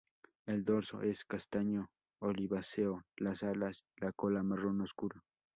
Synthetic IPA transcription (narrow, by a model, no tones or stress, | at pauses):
eld̪oɾso̰ʔeskast̪aɲo | oliβaseolasalasilakolamaronoskuɾa